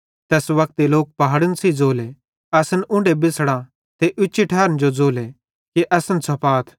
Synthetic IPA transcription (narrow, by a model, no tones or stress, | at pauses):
t̪ɛːsʋɐk̚t̪iloːk̚pɐɦaːɽənsid͡zoːle | ɐsənʔʊ̃ɳɖebɪsɽ̃ã | t̪eʔʊt͡ʃːiʈʰaːɾənd͡ʒod͡zoːle | kiʔɐsənsʰɐpaːt̪ʰ